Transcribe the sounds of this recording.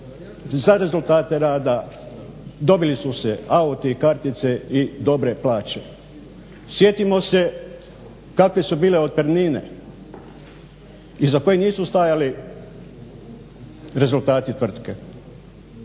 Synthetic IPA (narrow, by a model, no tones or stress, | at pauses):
zaɾe̞zulˠt̪aːt̪e̞ɾaːd̪a | d̪o̞bilisuseaut̪ikaɾt̪it̪se̞id̪o̞bɾe̞plaːt͡ʃe | sje̞t̪imo̞se̞ | kakʋe̞subiːle̞o̞d̪̚pɾniːnḛ | izako̞jeniːsust̪ajali | ɾe̞zult̪aːt̪it̪ʋr̩t̪ke